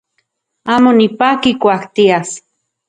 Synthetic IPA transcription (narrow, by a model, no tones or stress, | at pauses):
aːmonipakikʷakt̪ias